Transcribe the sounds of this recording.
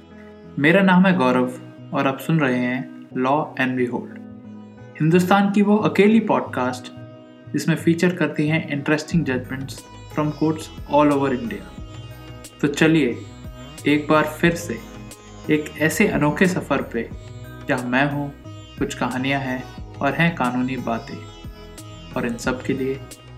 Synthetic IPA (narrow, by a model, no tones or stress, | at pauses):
meːɾanaːmɦɛ̃ɡɔːɾəʋ | ɔːɾɐbsʊnɾɐɦeɦɛ̃ːlɔːɛ̃ːɳɖʋiɦoːlɖ | hɪ̃nd̪ʊst̪aːnkiʋoʔɐkeːlipɔːɖkaːsʈ | d͡ʒɪsmẽfiːt͡ʃəɾkɐɾt̪iɦɛ̃ʔɪ̃ɳʈɾɛsʈɪ̃ŋɡd͡ʒɐd͡ʒmə̃ɳʈs | fɾɔ̃mkoːɾʈsɔːloːʋəɾɪ̃ɳɖija̰ | t̪ot͡ʃɐlie | eːk̚baːɾfɪɾse | eːkɛːseʔɐnɔːkʰesɐfəɾpe | d͡ʒaːɦmɛ̃ːɦũ | kʊt͡ʃʰkɐɦaːnijaɦɛ̃ɔːɾɦɛ̃kaːnuːnibaːt̪ḛ̃ː | ɔːɾɪ̃nsɐb̚kelie